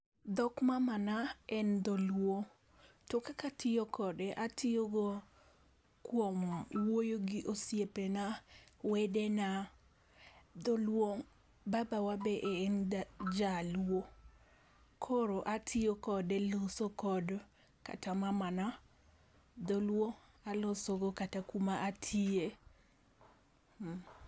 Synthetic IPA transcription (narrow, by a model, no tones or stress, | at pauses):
d̪ɔkmamanaɛnd̪ɔlwo | tɔkakatʰɪokɔdɛʔatʰɪoɡo | kwomwojoɡɪʔosjepenawɛdena | d̪ɔlwoŋ | babawabɛʔeːnd͡ʒalwo | kʰoɾoʔatʰɪokɔdɛlosokɔd | ka̰tamamana | d̪olwoalosoɡokatakumaʔatʰie